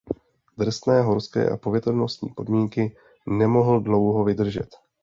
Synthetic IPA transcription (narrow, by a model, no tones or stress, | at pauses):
d̪r̩st̪nɛːɦo̞ɾskɛ̰ːʔa̰povjɛt̪olnost̪ɲḭːpo̞dmiːŋkɪ | nɛmo̞ɦl̩dlo̞wɦo̞vɪdr̩ʒɛ̰t̪